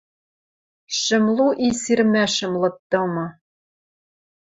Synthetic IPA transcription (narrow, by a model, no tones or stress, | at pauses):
ʃɘ̆mlˠuʔisirmæʃɘ̆mlˠɤ̆t̪ːɤ̆mɤ̆